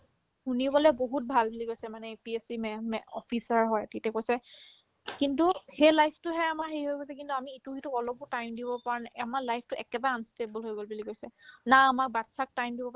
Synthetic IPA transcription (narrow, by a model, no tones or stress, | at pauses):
hunibɔlɛboɦut̚bʱalbuliɡojsɛmanɛpiesimɛmɛɔ̰pʰisaɹɦɔjtitɛkojsɛ | kintuhejlajpʰtʊɦɛamaɹɦejɦojɡojsɛkintuamiːtukituɔlɔbʊtajmdibɔpaɹɔnaamaɹlajpʰtʊʔɛkɛbaansteblɦojɡolbuliɡojsɛnaːmakbatsak̚tajmdibɔp